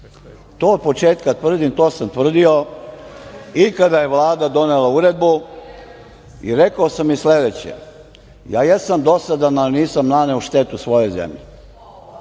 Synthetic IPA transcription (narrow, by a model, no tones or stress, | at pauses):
t̪oːod̪̚po̞t͡ʃeːt̪kat̪ʋr̩d̪imt̪o̞ːsamt̪ʋr̩d̪io̞ | ikad̪aje̞ʋlˠaːd̪ad̪o̞nelauɾed̪̚bu | iɾekaosamːisle̞d̪et͡ɕḛ | jaːjesamd̪o̞sad̪ananiːsamnaneuʃt̪et̪usʋo̞jo̞jzḛmʎi